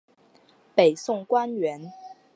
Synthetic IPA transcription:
pe˨˩ɪsʊ˥˩ŋkwa˥nɥɛ˧˥n

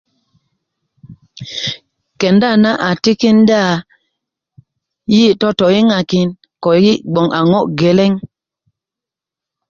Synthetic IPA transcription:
kɛ˨nda˦˨na˦ʔa˨ti˦ki˦n˦da˦˨ | ji˦tɔ˦tɔ˨ji˦ŋa˨ki˦n | kɔ˨˦i˦ʔɡ͡bɔ˨ŋʔa˨ŋɔ˦ʔɡɛ˨lɛ˦ŋ

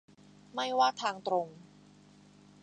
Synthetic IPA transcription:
ma˥˩jwaː˥˩t̪ʰaː˧ŋt̪ɾo˧ŋ

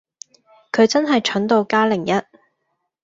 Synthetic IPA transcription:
kʰɵ˨˧ɥt͡sɐ˥nɦɐ˨jt͡ʃʰɵ˨˥nt̪o˨˧wkaː˥lɪ˨˩ŋjɐ˥t̚

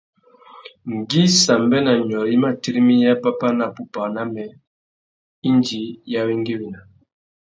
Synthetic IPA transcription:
ŋ˨ɡi˦sa˨mbɛ˦na˨ɲ˨ɔ˨ɾi˦ma˦ti˦ɾi˦mi˦ja˦pa˦pa˦na˨pu˨pa˨na˦mɛ˨ | i˦nd͡ʒi˨ja˦wi˦ŋɡi˦wi˨na˨

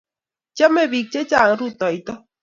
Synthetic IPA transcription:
t͡ʃa˦me˨βi˨k̚t͡ʃe˦t͡ʃa˨ŋ˦ɾut̪o˨jt̪o˦

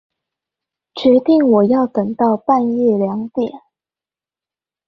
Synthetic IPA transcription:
t͡ɕɥɛ˧˥t̪i˥˩ŋwɔ˨˩jɑ˥˩ʊt̪ɤ˨˩ŋt̪ɑ˥˧ʊpa˥˧njɛ˥˩ljɑ˧˥ŋt̪jɛ˨˩˦n

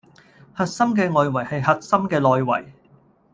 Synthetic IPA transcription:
hɐ˨t̚sɐ˥mkɛː˧ŋɔː˨jwɐ˨˩jhɐ˨jhɐ˨t̚sɐ˥mkɛː˧lɔː˨jwɐ̰˨˩j

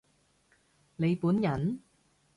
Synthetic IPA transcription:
le˨˧jpuː˨˥njɐ˨˩n

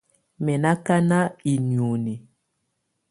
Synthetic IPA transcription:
mɛ˨na˦ka˦na˦i˨ni˨o˨ni˨

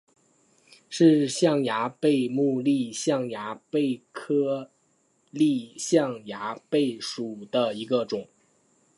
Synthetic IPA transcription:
ʂɻ̩˥˧ɕjɑ˥˩ŋja˧˥pe˥˧ɪmu˥˧li˥˧ɕjɑ˥˩ŋja˧˥pe˥˩ɪkʰɤ˥ | li˥˧ɕjɑ˥˩ŋja˧˥pe˥˩ɪʂu˨˩d̪̥ə˦i˧˥ɡə˧ʈ͡ʂʊ˨˩˦ŋ

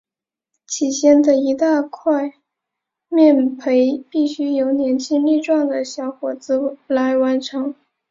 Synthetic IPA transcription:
t͡ɕʰi˨˩ɕjɛ˥nd̪ə˨i˧˥t̪a˥˧kʰwa˥˧ɪ | mjɛ˥˩npʰe˧˥ɪpi˥˩ɕy˥jo˧˥ʊnjɛ˧˥nt͡ɕʰi˥ŋli˥˧ʈ͡ʂwɑ˥˩ŋd̪ə˩ɕjɑ˧˥ʊxwɔ˨˩t͡sɹ̩˥la˧˥ɪwa˧˥nʈ͡ʂʰɤ˧˥ŋ

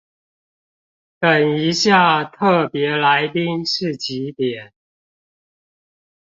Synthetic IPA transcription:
t̪ə˨˩ni˧˦ɕja˥˨t̪ʰɤ˥˩pjɛ˨˦la˧˦ɪt̪i˥ŋʂɻ̩˥˩t͡ɕi˨˥t̪jɛ˨˩˦n

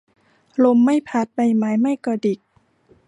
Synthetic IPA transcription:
lo˧˩mːa˥˩jpʰa˧˥˩t̪̚ba˧˩jmaː˨˦jma˥˩jkɔː˧˩di˨˩k̚

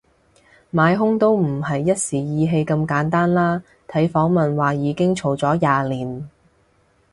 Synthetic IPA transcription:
maː˨˧jɦʊ˥ŋt̪o˥wm̩˨˩ɐ˨jːɐ˥t̚siː˨˩jiː˨˧ɦe˧jkɐ˧mkaː˨˥nt̪aː˥nlaː˥ | t̪ʰɐ˨˥jfɔː˨˥ŋmɐ˨nwaː˨˩jiː˨˧kɪ˥ŋt͡ʃʰo˨˩wt͡sɔː˨˥jaː˨liː˨˩n

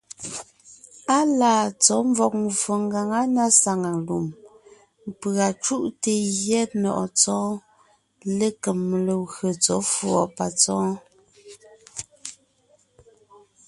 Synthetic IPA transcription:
a˦laː˨t͡sɔ˨˦mvɔ˨k̚m˨vo˨ŋɡa˨ŋa˦na˦sa˨ŋa˨lu˨m˨ | pa˨t͡ʃu˦ʔte˨jjɛ˦t̚nɔ̰˨ʔɔ˨t͡sɔ̃ː˦ | le˦kə˨m˨le˨ɣɰə˨t͡sɔ˨˦fwɔ˨pa˨t͡sɔ̃ː˦

